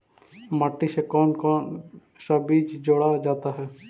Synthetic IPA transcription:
məʈːisekɔːnkɔːn | səbiːt͡ʃd͡ʒoːɽad͡ʒaːt̪aːɦɛː

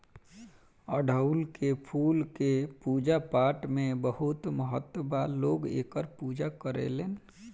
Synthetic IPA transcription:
əːɖʱəʊlkepʰuːlkepuːd͡ʒapaːʈmẽbəɦʊt̪məɦət̪ːəbaloːɡḛːkəɾpuːd͡ʒakəɾḛleːn

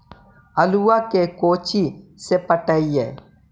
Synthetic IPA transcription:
əluakekoːt͡ʃisepəʈəiḛː

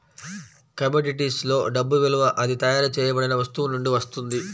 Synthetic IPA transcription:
kɐmoːɖiʈ̬islo̞ːɖɐbːuʋiluʋɐʔɐd̪it̪ɐjaːɾɐt͡ʃɛːjɐbɐɽinɐʋɐst̪uʋunuɳɖiʋɐst̪und̪i

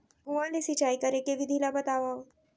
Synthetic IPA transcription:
ɡuʋãd̪esit͡ʃajkəɾekeʋid̪ʱilabət̪aʋa

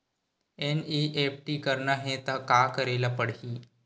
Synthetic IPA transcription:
eniʔep̚ʈiːkəɾɳaɦẽt̪akakəɾelapəɽɦiː

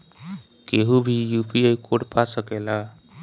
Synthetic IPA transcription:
keɦubʱijupiejkʰoʈpʰasəkela

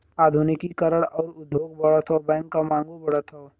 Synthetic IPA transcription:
aːd̪ʱunɪkikəɾəɽɔːɾʊd̪ʱːoːɡ̚bɐɽət̪ʰoːbɛ̃ːŋkːamãːŋɡubɐɽət̪ʰoː

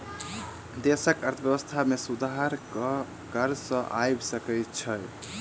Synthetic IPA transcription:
d̪esəkəɾt̪ʰəbjəbəst̪ʰamesud̪aɦɾ | kəɾsə̃ʔajbsəkəjt͡ʃʰə

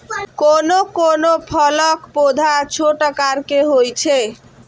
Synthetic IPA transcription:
konokonopʰɔlɔkpod̪ʱat͡ɕʰoʈakaɾkeɦojt͡ɕʰe

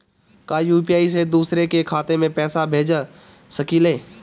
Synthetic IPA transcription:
kaːjuːpiaːis̬ed̪uːsɾekekʰaːt̪emẽpɛːsabʱeːd͡ʒ | səkiːleː

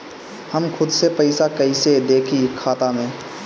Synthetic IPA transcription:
həmxʰʊd̪sepəɪsakəised̪eːkʰikʰaːt̪amẽː

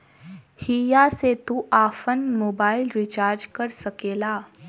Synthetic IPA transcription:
hiːjaset̪uʔaːfənmoːbaːɪlɾit͡ʃaːɾd͡ʒkəɾsɐkeːlaː

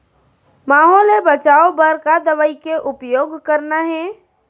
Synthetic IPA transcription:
maːɦoːlebət͡ʃaːobəɾkad̪əʋəikeʔʊpjoːɡkəɾnaɦɛ

